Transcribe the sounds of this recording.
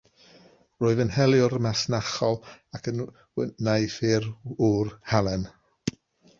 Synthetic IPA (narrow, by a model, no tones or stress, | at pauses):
roːɨðənhɛlˠjʊɾəmasnaχɔlˠakʰən | wɛnajfɪɾurhalˠɛn